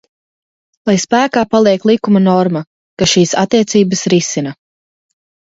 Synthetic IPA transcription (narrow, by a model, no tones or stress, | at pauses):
lˠajspæːkaːpalˠiɛklˠikumɐnɔɾmɐ | kaʃiːsat̪ːiɛt̪siːbəsɾisinɐ